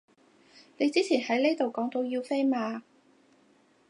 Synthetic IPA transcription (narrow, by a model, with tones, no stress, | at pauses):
ne˨˧jt͡siː˥t͡sʰiː˨˩nhɐ˨˥jle˥jt̪o˨wkɔː˨˥ŋt̪o˨˧wjiː˧wfe˥jmaː˧